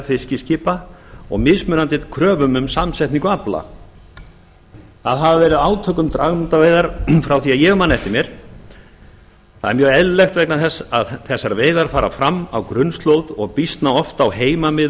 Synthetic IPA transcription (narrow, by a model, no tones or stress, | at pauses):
fɪscɪscɪːpaɔ̰ɣmɪðsmʏnant̪ɪt̪kʰɾœːvʏmʏmsamsɛjht̪niŋkʏapla̰ | θaðɦavavɛːɾɪðaːwt̪ʰœːkʏmt̪ɾaɣmnt̪aveːjðaɾ̥fɾawθiaðjɛɣmanːɛft̪ɪmjɛɾ̥ | θaðɛɾmjœːɣɛðlɛxt̪vɛknaθɛsːaðθɛsːaɾveːjðaɾ̥faːɾa̰fɾamːa̰wkɾʏnst̪lowðɔɣpist̪naɔft̪awɦeːjmamɪ